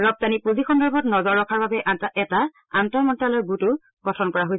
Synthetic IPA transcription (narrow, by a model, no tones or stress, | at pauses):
ɹɔb̚tanipuzixɔndɔɹbʱɔtnɔzɔɹːɔkʰaɹbabɛʔataɛta | antɔɹmɔntalɔɹɡutʊ | ɡ̥ɔtʰɔnkɔɹaɦojs